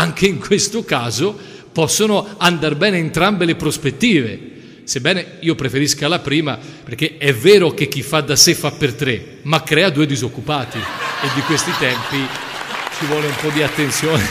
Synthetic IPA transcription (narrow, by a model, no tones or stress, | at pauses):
aŋk̟eiŋkwest̪okaːzo | pɔsːonoand̪arbɛːneːnt̪ɾambelepɾospet̪ːiːvḛ | sebːɛːneiːopɾefeɾiskalapɾiːmaperk̟ːeɛvːɛːɾok̟ek̟ːifːad̪ːasefːapːert̪ɾe | makːɾɛːad̪uːejd̪izokːupaːt̪ied̪ːikwest̪it̪ɛmpikʰivwɔːleumpɔd̪iat̪ːent̪sjɔːne